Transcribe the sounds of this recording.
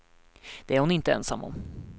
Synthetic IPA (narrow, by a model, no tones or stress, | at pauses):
d̪̥ɛæɾhʊnɪnt̪əɛnsa̰mːɔ̰m